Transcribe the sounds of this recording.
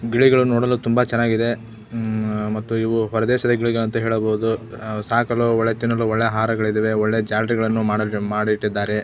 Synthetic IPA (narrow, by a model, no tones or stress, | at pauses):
ɡiɭiɡɐɭunoːɽɐlːut̪umbɐt͡ʃɛnːaːɡid̪e̞ | mɐt̪ːuiʋuɦɔɾɐd̪ɛːʃɐd̪ɐɡiɭiɡɐɭɐnt̪ɐɦɛːɭɐboud̪usaːkɐluɔɭːet̪inːɐlːuɔɭːejɐɦaːɾɐɡɐɭid̪ɐʋeɔɭːed͡ʒaːɾɾiɡɐɭɐnːumaːɽmaːɽiʈːid̪ːaːɾe̞